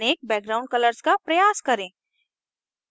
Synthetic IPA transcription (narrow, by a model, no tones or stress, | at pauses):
eːk̚bɛːɡ̚ɡɾaʊ̃ɳɖ̚kələɾskapɾəjaːskəɾẽ